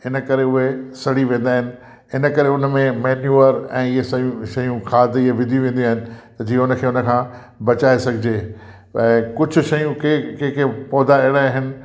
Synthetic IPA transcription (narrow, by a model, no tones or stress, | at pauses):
ɪnə̆kɐɾeʊɦesɐɽiʋẽːnd̪aːɦɪnɪ̆ | ɪnəkɐɾeʊnə̆mẽmeːnjuːəɾɛ̃ːɪɦesɐjũʃɐjũxʰaːd̪ɪɦeʋɪ̃nd̪ʱiũʋẽːnd̪iaːɦɪnɪ̆t̪ɐd͡ʑiːʊnə̆kʰeːʊnə̆kʰãː | bɐt͡ɕaːesɐɡʱɪd͡ʑeː | ɛ̃ːkʊd͡ʑʱʊ̆ʃɐjũkekẽkepɔːd̪aeːɽaiɦɪnɪ̆